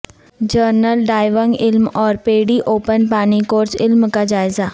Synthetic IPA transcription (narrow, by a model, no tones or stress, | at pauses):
d͡ʒəɾnəlɖaːɪʋə̃ŋɡɪlmɔːɾpeːɽiʔoːpənpaːnikoːɾsɪlmkad͡ʒaːɪza